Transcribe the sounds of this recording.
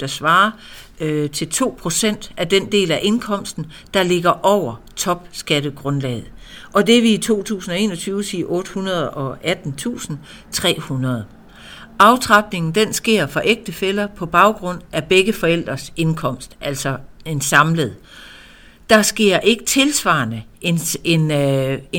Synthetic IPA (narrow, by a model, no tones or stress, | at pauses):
d̥ɑ̈sʋɑ̈ː | t͡sʰe̝lt͡sʰo̝̰ːpʰʁo̝sen̰d̥ʔæd̥end̥e̝̰ːlæʔe̝nkʰɒ̽m̰sd̥n̩ | d̥ɑ̈le̝ɡ̥ɐʔɒʊ̰ɐ | t͡sʰɒ̽b̥sɡ̥æɾ̥əɡ̥ʁɔ̽nlɛ̰ːð̩ˠʔɒ̽d̥e̝ɐʋiit͡sʰo̝̰ːt͡sʰṵːsn̩ɒ̽e̝̰ːnɒt͡sʰyːʊsiːʔɔ̽ːd̥əhunɐð̞ˠɒ̽ʔæd̥n̩t͡sʰṵːsn̩ | t͡sʰʁɛ̰ːhunɐð̞ˠ | ʔɑ̈ʊt͡sʰʁɑ̈b̥ne̝ŋn̩d̥ensɡ̥e̝ɐ̰fɒ̽ʔeɡ̥̚d̥əfelɐpʰɒ̽b̥ɑ̈ʊɡ̥ʁɔ̽n̰ʔæb̥eɡ̥əfɒ̽el̰d̥ʁɐse̝nkʰɒ̽m̰sd̥ʔæl̰sɒ̽e̝nsɑ̈mləð̞̩ˠ | d̥ɑ̈sɡ̥e̝ɐ̰ʔe̝ɡ̥ət͡sʰe̝lsʋɑ̰̈ːnə | enen